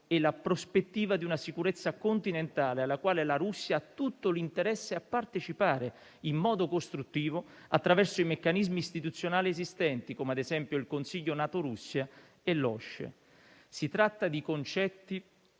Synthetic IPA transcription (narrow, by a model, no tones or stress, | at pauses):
ɪlapɾospet̪ːiːvad̪iunasikuɾɛt̪sːakont̪inent̪aːlealːakwaːlelaɾusːjaat̪ːut̪ːolint̪eɾɛsːeapːart̪et͡ʃipaːɾe | imːɔːd̪okost̪ɾut̪ːiːvoat̪ːɾavɛrsoimekːanizmiːst̪it̪ut̪sːjonaːliezist̪ɛnt̪ikoːmead̪ezɛmpjoilkonsiʎːonaːt̪oɾusːja | elːɔʃːḛ | sit̪ɾat̪ːad̪ikont͡ʃɛt̪ːi